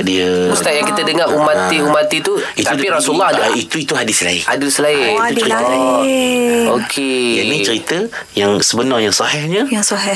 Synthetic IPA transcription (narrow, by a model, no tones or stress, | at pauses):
diəust̪aʔjaŋkit̪adəŋaʔumat̪iumat̪it̪uit̪aupiɾasulːɔɦadit̪uit̪uɦadɪsla̰ɪ̰a̰dusəlaɪudt͡ʃəɾi | okʰed͡ʒanĩt͡ʃəɾit̪ə | jaŋsəbənarjaŋsɔhɛhɲãjaŋsɔɦɛ